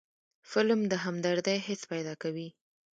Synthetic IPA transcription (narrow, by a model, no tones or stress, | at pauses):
fɪlmd̪əɦamd̪aɾd̪ajɦɪspajd̪ɑkawi